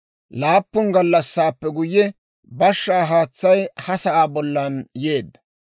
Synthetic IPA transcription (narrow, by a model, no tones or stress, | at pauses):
laːpːʊnɡɐlːɐsːaːpːɛɡʊjːɛ | bɐʃːaːɦaːt͡sːɐjhɐsɐʔaːbɔlːɐnje̞ːd̪ːɐ̥